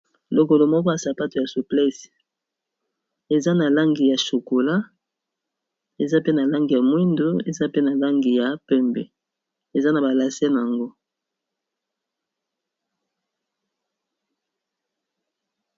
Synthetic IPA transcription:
lo˨ko˨lo˨mɔ˦kɔ˦a˨sa˨pa˦to˨ja˨su˨plɛ˦s | e˨za˦na˨la˦ŋɡi˨ja˨ʃo˨ko˨la˦ | e˨za˦pe˦na˨la˦ŋɡi˨ja˨mwi˦ndo˦e˨za˦pe˦na˨la˦ŋɡi˨ja˨pɛ˦˨mbɛ̰˨ | e˨za˦na˨ba˨la˨se˦n˨a˨ŋɡo˦

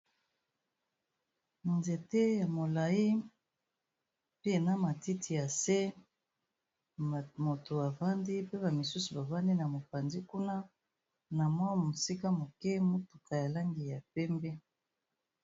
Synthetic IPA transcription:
nze˨te˦ja˨mo˨la˨i˦ | pi˦e˨na˦ma˨ti˦tʰi˨ja˨se˦˨ | mo˨to˨a˨va˦ndi˦pe˦ba˨mi˨su˦su˨ba˨va˦ndi˦na˨mo˨pa˨nzi˦ku˦na˦ | na˨mwa˦˨mo˨si˦ka˦mo˨kɛ˦mo˦tu˨ka˨ja˨la˦ŋɡi˨ja˨pɛ˦mbɛ˦

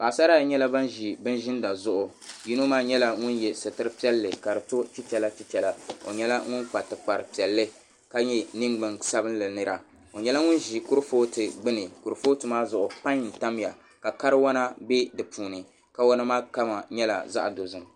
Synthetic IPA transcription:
ba˨sa˦ɾa˦˨ɲɛ˦la˦ba˦nʒi˨bɨ˦n˦ʒɪ˦n˦da˨zʊ˦ʔʊ˨ | ji˦no˦maː˦ɲɛ˦la˦ŋʊ˦njɛ˨sɨ˨tɨ˦ɾɨ˦pi˦ɛ˦lːɨ˨ka˨dɨ˨to˦ti˦t͡ʃɛ˨la˦ti˦tɛ˨la˦o̰˨ɲɛ˦la˦ŋʊ˦nk͡pa˨tɨ˨k͡pa˨ɾɨ˨pi˨ɛ˨lːɨ˦ | ka˦ɲɛ˦nɨ˦ŋɡ͡bɨ˨ŋsa˦bɨ˦n˦lɨ˨nɨ˦ɾa˨ | o˨ɲɛ˦la˦ŋʊ˦n˦ʒi˨kʊ˦ɾfoː˦tɨ˨ɡ͡bɨ˦nɨ˨ku˨ɾɨ˨foː˦tɨ˨maː˦zʊ˨ʔʊ˨pa˦ɲn̩˨ta˦m˦ja˨ | ka˨ka˦ɾɨ˦wa˦na˦be˦dɨ˨puː˨nɨ˨ | ka˨wɔ˦nɨ˦maː˦ka˦ma˨ɲɛ˦la̰˨za̰˦ʔdo˨zɨ˦ŋ

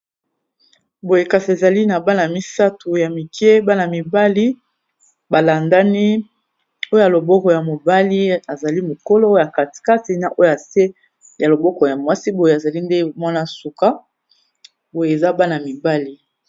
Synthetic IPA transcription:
bo˨je˨ka˨si˨e˨za˨li˦na˨ba˦na˨mi˦sa˦tu˨ja˨mi˨kɛ˦ba˦na˨mi˨ba˦li˦ | ba˨la˨nda˦ni˦ | o˦ja˨lo˨bɔ˦kɔ˨ja˨mo˨ba˦li˦a˨za˨li˦mo˨ko˦lo˦o˦ja˨ka˨ti̥˨ka˦ti˨na˨ʔo˦jo˦a˨se˦ | ja˨lo˨bɔ˦kɔ˨ja˨mwa˦si˦bo˨je˨a˨za˨li˦nde˦mwa˦na˦su˨ka˦ | bo˨je˨e˨za˦ba˦na˨mi˨ba˦li˦

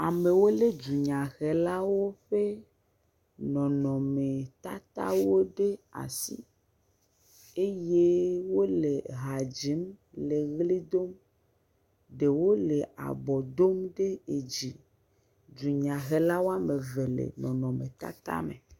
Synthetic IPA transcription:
a˨me˨wo˦le˦d͡ʒu˨ɲã˨ɣe˨la˦wo˦ɸe˦ | nɔ̃˨nɔ̃˨me˨t̪a˦t̪a̰˦wo˦ɖe˦a̰˨sḭ˦ | e˦je˦wo˦le˨ɦa˨d͡ʑi˨˦mle˨ɣli˦d̪o˦m | ɖe˨wo˦le˨ʔa̰˨bɔ˨d̪o˦mɖe˦e˨d͡ʑi˨ | d͡ʒu˨ɲã˨ɣe˨la˦wo˦a˦me˨ve˨lḛ˨nɔ̃˨nɔ̃˨mẽ˨t̪a̰˦t̪a̰˦mḛ˨

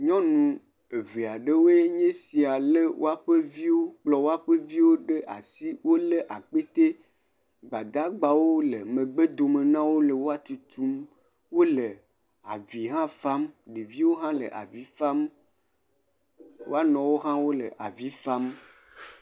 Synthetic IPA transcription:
ɲɔ̃˦nũ˨ | e˨ve˨a˨ɖe˦wo˦e˦ɲẽ˦si˨a˨le˦wo̰˦a˦ɸe˦vi˦wo˦k͡plɔ˨wo˦a˦ɸe˦vi˦wo˦ɖe˦ʔa̰˨si˦wo˦le˦ʔa˨k͡pe˦t̪e˦ | ɡ͡ba˨d̪a˦ɡ͡ba˨wo˦lə˨mẽ˨ɡ͡be˦d̪o˨me˨nã˦wo˦lə˨wo˦a˦t̪u˨˦t̪u˦m | wo˦lə˨ | a˨vi˨ɦã˦fa˦mɖe˨vi˦wo˦ɦã˦lə̰˨ʔa̰˨vi˦fa˦m | wʔo̰˦a˦nɔ̃˨wo˦ɦã˦wo˦lə̰˨ʔa̰˨vi˦fa˦m

